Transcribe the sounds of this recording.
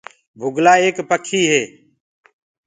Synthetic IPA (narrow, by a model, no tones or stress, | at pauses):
bʱʊɡlaːeːkpəkʰiːɦeː